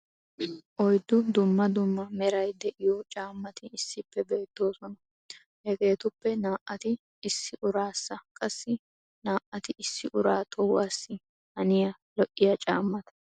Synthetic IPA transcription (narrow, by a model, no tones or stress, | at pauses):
ʔɔjd̪ːʊd̪ʊmːɐd̪ʊmːɐmɛɾɐjd̪ɛʔɪjot͡ʃʼaːmːɐt̪ɪɪsːɪpːɛbe̞ːt̪ːo̞ːsɔnɐ | hɛɡe̞ːt̪ʊpːɛnaːʔɐt̪ɪ | ɪsːɪʔʊɾaːsːɐkʼɐsːɪ | naːʔɐt̪ɪɪsːɪʔʊɾaːt̪ʰʼɔwaːsːɪ | hɐnɪjɐ | lɔʔːɪjɐt͡ʃʼaːmːɐt̪ɐ̥